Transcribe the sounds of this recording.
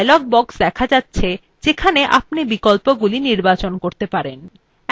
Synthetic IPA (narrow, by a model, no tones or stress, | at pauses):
jlɔk̚bɔksd̪ɛkʰad͡ʑatːɕʰe | d͡ʑekʰaneʔap̚nibikolpoɡuliniɾbat͡ɕonkoɾt̪epaɾen